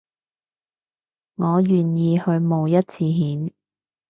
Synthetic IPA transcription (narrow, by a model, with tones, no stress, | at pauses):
ŋɔː˨˧jyː˨˩njiː˧hɵ˧ɥmo˨wjɐ˥t̚t͡sʰiː˧ɦiː˨˥n